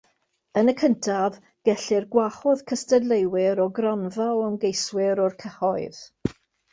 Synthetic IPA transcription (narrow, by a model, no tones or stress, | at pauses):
ənəkʰəntʰav | ɡ̥ɛɬɪrɡwaχɔðkʰəstədlˠejwɪɾɔɡrɔnvawəmɡejswɪɾɔrkʰəhɔɨð̥